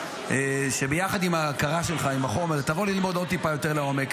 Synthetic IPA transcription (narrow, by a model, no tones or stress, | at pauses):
eʃebejaχad̪imaːkaʁaʃelχaimaχo̞meʁt̪avo̞lilmo̞d̪o̞d̪̚t̪ipajo̞t̪e̞ʁleo̞me̞k